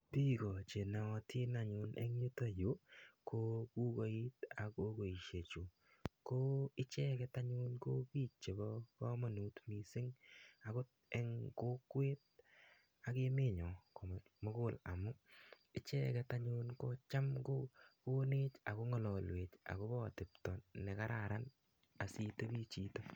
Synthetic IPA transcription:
pi˦kɔ˨t͡ʃe˨na˨ɔ˧tʰɪ˦na˨ɲʊnʔɛ̰˦ŋɲu˦ta˦jo˦ko˦ku˦ko˨i˦ta˨ko˦ko˨i˨ʃe˨t͡ʃu˨ | ko˦ɪ˦t͡ʃɛ˦kɛ˧ta˦ɲu˦nko˦piː˦t͡ʃ̚t͡ʃe˨bɔ˦kɔ˦ma˨nu˨tmi˨sɪ˦ŋa˨kʊ˦t | e˨˦ŋko˦kwe˦t̚ | a˨ke˦me˦˨ɲɔ˨ko˨ | mo˦ko˦la̰˨mʊ˦ | ɪ˦t͡ʃɛ˦kɛ˦taɲuː˦nko˦t͡ʃa˦mko˦ko˦ne˦t͡ʃa̰˨ko˦ŋɔ˨lɔ˨lwe˨t͡ʃa̰˨ko˦bɔ˦tɪ˨p̚tɔ˨ne˨ka˦ɾa˨ɾa˦n | a˨si˦to˦bi˦t͡ʃiː˦to˦

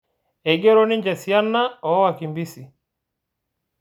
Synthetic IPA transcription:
ɛ˨ɡe˦ɾo˦ni˦ɲd͡ʒɛ˨si˨a˦nːa˦ɔ˨˦wa˨ki˨mbi˦si˨

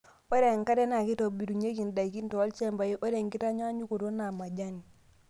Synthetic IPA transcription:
ɔ˦ɾe˨ŋka˦dɛ˦na˨ki˦tɔ˨bi˨du˨ɲe˦ki˨nda˨i˨ki˦n˦tɔ˨a˦lt͡ʃɛ˦mba˨ji˦ʔo˦ɾe˨ŋki˦ta˦ɲɔ˦a˦ɲu˦ko˨to˦na˨ma˨d͡ʒa˦ni˨

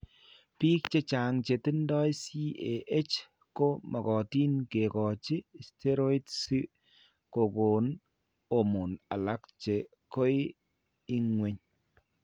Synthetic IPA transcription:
piː˦kt͡ʃe˦t͡ʃa˨ŋt͡ʃe˨tɪ˦ndɔ˦jsi˦e˨ʔe˦t͡ʃ | ko˦ma˨kɔ˨ti˦nke˨kɔ˨t͡ʃɪ˦˨ste˦ɾo˦i˦tsi˦ | ko˨ɡo˨n | o˨mʊ˨na˨la˦kt͡ʃe˨ | ko˦ɪ˦ | i˦ŋwe˦ɲ

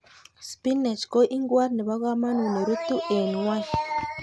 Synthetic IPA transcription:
spi˦ne˨t͡ʃko˦ʔi˦ŋɡwa˦ɾni˨βa˦ɣwaː˦ma˦nwu˨ne˨ɾu˦tu˦ʔe˨nwa˦

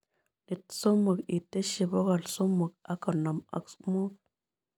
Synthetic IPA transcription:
ni˨tso˦mo˨kḭ˨te˦ʃi˨bo˦ɣa˨lso˦mo˨k̚a˦ka˨na˨ma̰˨ksmo˦k̚

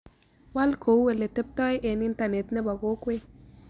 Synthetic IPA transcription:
wa˦lko˨wwe˨le˨te˦p̚tɔ˦jʔe˨ni˦nta˨ne˨tne˦ba˨ko˦kwe˦

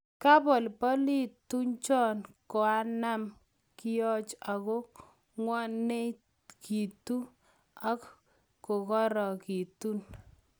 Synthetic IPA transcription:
ka˦pɔ˨lpɔ˦li˦tu˦ɲt͡ʃɔ˦nko˨a˦na˦m | ki˦jɔ˦t͡ʃa˨kɔ˦ | ŋwɔ˦ne˦ | kʰi˨tu˦ | a˦k | ko˨kɔ˦ɾɔ˨ki˨tu˦n

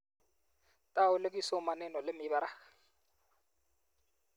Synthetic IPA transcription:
tʼaʊ˦le˦kʼisɔ˦ma˨nɛ˨nɔ˨lɪ˦mɪ˨˦ba˦ɾa˨

